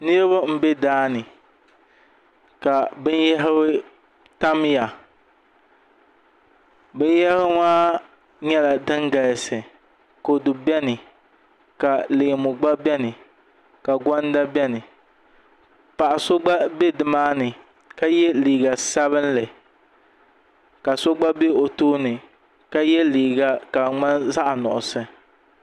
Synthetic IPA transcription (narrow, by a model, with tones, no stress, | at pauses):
nɨ˦ɾba˦m̩˨bɛ˦daː˦nɨ˨ | ka˨bɨ˦njɛ˦ɦɪ˦wɪ˦ | ta˦m˦ja˨ | bɨ˦n˦jɛ˦hɪ˦ŋaː˦ | ɲɛ˦la˨dɨ˦ŋɡa˨lsɨ˨ | ko˨dʊ˨bɛ˦nɨ˨ | ka˨lɨ˨ɡmʊ˨ɡ͡ba˦bɛ˦nɨ˨ | ka˨ɡɔ˦n˦da˦bɛ˦nɨ˨ | pa˨ʔa˨so˦ɡ͡ba˦be˦dɨ˨maː˦nɨ˨ | ka˦jɛ˦liː˨ɡa˨sa˦βɨ˦n˦lɨ˨ | ka˨so˦ɡ͡ba˦be˦o˨toː˦nɨ˨ | ka˦jɛ˦liː˨ɡa˦ka˨ŋ͡ma˦nza˦ʔnɔ̰˨ʔʊ˨sɨ˨